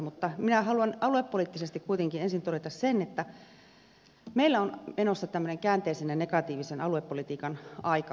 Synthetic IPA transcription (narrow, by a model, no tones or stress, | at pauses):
mut̪ːɑminæhɑluɑnɑluepːoliːˑt̪ːisest̪ikkuit̪eŋkinensint̪oɾet̪ɑssenet̪ːæ | meilːæonmenosːɑt̪æmːøneŋkæːnt̪eisenjɑnekɑt̪iːʋisenɑluepːolit̪iːkɑnɑikɑ